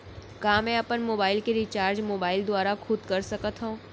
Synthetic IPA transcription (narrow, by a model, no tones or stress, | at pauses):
kãːmɛ̃ɐpənmoːbaːɪlkeɾit͡ʃaːɾd͡ʒmoːbaːɪld̪ʊaːɾaxʰʊd̪kɐɾsɐkət̪ɦõː